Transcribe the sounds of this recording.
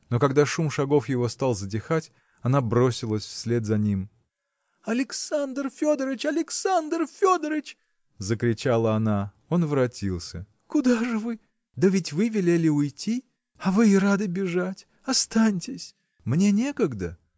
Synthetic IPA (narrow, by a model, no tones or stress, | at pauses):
no̞kɐɡd̪aʂumʂɐɡo̞fjɪvo̞st̪alˠzədʲɪxatʲ | ɐnabɾo̞sʲɪlˠəsʲfsʲlʲe̞t̪zɐnʲim | ɐlʲɪksand̪rfʲo̞d̪əɾət͡ɕɐlʲɪksand̪rfʲod̪əɾət͡ɕ | zəkɾʲɪt͡ɕalˠəɐna | o̞nvɾɐtʲilˠsʲə | kʊd̪aʐɨvɨ | d̪əvʲɪtʲvɨvʲɪlʲelʲɪʊjtʲi | ɐvɨɪɾad̪ɨbʲɪʐatʲ | ɐst̪anʲtʲɪsʲ | mnʲe̞nʲe̞kəɡd̪ə